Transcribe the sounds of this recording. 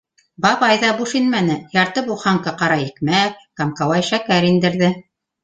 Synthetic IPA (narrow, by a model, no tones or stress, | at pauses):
bɑβɑjðɑbuʃinmænɘjɑɾt̪ɤbuχɑŋkɑqɑɾɑikmækkɑmkɑwɑjʃækæɾind̪ɘ̆ɾðɘ